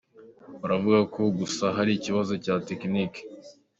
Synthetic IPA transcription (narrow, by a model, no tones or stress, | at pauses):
uɾavuɡakʰo̞ɡusaɦaɾiciβazo̞caːteknik